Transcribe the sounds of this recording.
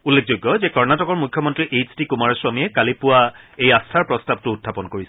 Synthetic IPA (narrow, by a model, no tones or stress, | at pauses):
ulːek̚ʰzojɡːɔzɛkɔɹnatɔkɔɹmukʰːjɔmɔntɹiʔet͡ʃtikumaɹswamiɛkalipʊwa | ejastʰaɹpɹɔstab̚tʊːtʰːapɔnkoɹisɛ